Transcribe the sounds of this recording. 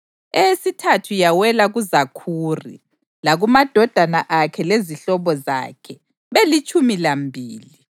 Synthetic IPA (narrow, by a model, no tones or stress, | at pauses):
esitʰatʰujawɛlaɣuzakʰuːrḭ | laɣumad̥ʱɔd̥ʱanaʔakʰɛleziɬɔβɔza̰kʰɛ | βelit͡ʃʼumilambʱiːli